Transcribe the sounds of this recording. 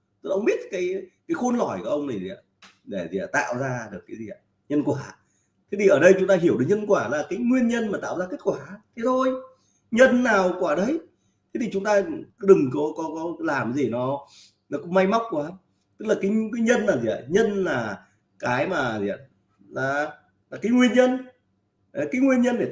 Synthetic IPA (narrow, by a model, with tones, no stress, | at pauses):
ʔə˧wŋ͡mɓi˦˥ət̚kaː˨˦jkaː˨˦jxo˧nlɔ˧˩jkɔ˨˧˩ʔə˧ŋ͡mna˨˩zḭ˨˩a̰˧˨˩ | ɗe˧˩zḭ˨˩t̪a̰ː˧˨wzaː˧ɗɨ˨˩əkːaː˨˦zi˨˩ʔa˧˨ | ɲə˧nkwaː˧˩ | t̪ʰe˨˦t̪ʰi˨˩ʔəː˧˩ɗə˧jt͡ɕʊ˨˦ŋ͡mt̪aː˧ɦi˧˩əwɗɨ˨˩k̚ɲə˧nkwaː˧˩laː˨˩kaː˨˦jŋwi˧ənɲə˧nmaː˨˩t̪a̰ː˧˨wzaː˧ke˦˥t̚kwaː˧˩t̪ʰe˨˦t̪ʰo˧j | ɲə˧nːaː˨˩wkwaː˧˩ɗə˨˧j | t̪ʰe˨˦t̪ʰi˨˩t͡ɕʊ˨˦ŋ͡mt̪aː˧ɗɨ˨˩ŋkɔ˨˦kɔ˨˦kɔ˨˦laː˨˩m˨˦zi˨˩nɔ˨˦ | nɔ˨˦kʊ̰˧˥ŋ͡mma˧jma˦˥wk͡p̚kwaː˨˦ | t̪ɨ˦˥k̚laː˨˩ka˨˦kaː˨˦jɲə˧nlaː˨˩zḭ˨˩ʔɲə˧nlaː˨˩ | kaː˨˦jmaː˨˩zḭ˨˩˨ | laː˨˩ | laː˨˩kaː˨˦jŋwi˧ənɲə˧n˨˩ | kaː˨˦jŋwi˧ənɲə˧nɗe˧˩